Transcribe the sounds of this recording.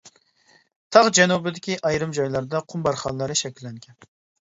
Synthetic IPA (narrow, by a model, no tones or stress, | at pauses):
t̪ʰɑʁd͡ʒɛnubɪd̪ɪkʲiʔɑjɾɨmd͡ʒɑjlˠɑɾd̪ɑqʰʊmbɑɾχɑnlˠɑɾɨʃɛkʲilːɛŋkʲʰɛn